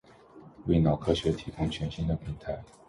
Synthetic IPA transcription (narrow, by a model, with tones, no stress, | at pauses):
we˥˩ɪnɑ˨˩ʊkʰɤ˥ɕɥɛ˧˥t̪ʰi˧˥kʰʊ˥ŋt͡ɕʰɥɛ˧˥nɕi˥nd̪ə˨pʰi˧˥ŋt̪ʰa˧˥ɪ